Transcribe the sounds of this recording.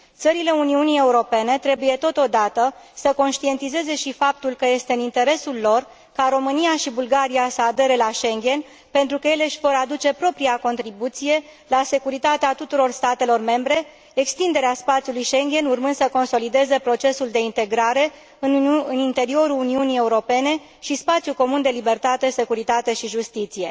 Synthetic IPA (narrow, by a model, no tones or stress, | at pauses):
t̪səɾile̞uniunije̞uɾo̞pe̞ne̞t̪ɾe̞buje̞t̪o̞t̪o̞d̪at̪ə | səko̞nʃt̪ie̞nt̪ize̞ze̞ʃifap̚t̪ulkəje̞st̪eɨnint̪e̞ɾe̞sulːo̞r | kaɾo̞mɨnijaʃibulɡaɾiasəad̪e̞ɾe̞laʃe̞ŋɡʲe̞n | pe̞nt̪ɾukəje̞le̞ʃʲvo̞ɾad̪ut͡ʃe̞pɾo̞pɾiako̞nt̪ɾibut̪sije̞ | lase̞kuɾit̪at̪eat̪ut̪uɾo̞rst̪at̪e̞lo̞rme̞mbɾe̞ː | kst̪ind̪e̞ɾeaspat̪sijulujʃe̞ŋɡʲe̞nurmɨnd̪səko̞nso̞lid̪e̞zepɾo̞t͡ʃe̞suld̪e̞int̪e̞ɡɾaɾe̞ | ɨɨnint̪e̞ɾio̞ɾuluniunije̞uɾo̞pe̞ne̞ | ʃispat̪sjuko̞mund̪e̞libe̞rt̪at̪e̞se̞kuɾit̪at̪e̞ʃiʒust̪it̪sije̞̰